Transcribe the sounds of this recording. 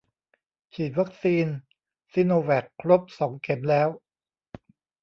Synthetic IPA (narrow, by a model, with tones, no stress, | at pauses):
t͡ɕʰiː˨˩t̪̚wa˦˥k̚siː˧n | siː˧noː˧wɛː˨˩kʰːɾo˦˥p̚sɔː˩˦ŋke˩˦mlɛː˦˥w